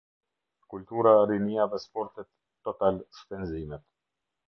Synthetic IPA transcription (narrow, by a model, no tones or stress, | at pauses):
kult̪uɾaɾiniaðɛspɔɾt̪ɛt̪ːɔt̪alspɛnzimɛt̪